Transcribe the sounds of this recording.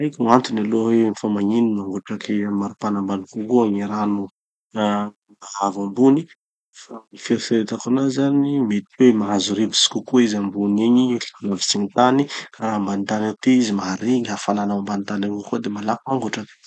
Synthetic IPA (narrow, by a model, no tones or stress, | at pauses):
ajkʲant̪unaloɦenifamaɲininaŋɡoʈ͡ʂakʰimaɾupanambanukukuaŋiɾanu | maɦavambuni | famifeɾifeɾet̪akunazanimet̪iwemaɦazuɾivisi̥kukuizambuniɲialavi̥siɲit̪anikaambanit̪anat̪iizimaɦaɾiŋiɦafalanaambanit̪anaŋukod̪emalakmaŋɡoʈ͡ʂak